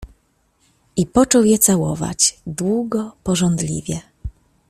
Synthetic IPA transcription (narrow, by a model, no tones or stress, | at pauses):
ipɔt͡ʂɔwjɛt̪sawɔ̰va̰t͡ɕd̪wuɡɔpɔʐɔnd̪lʲḭvʲjɛ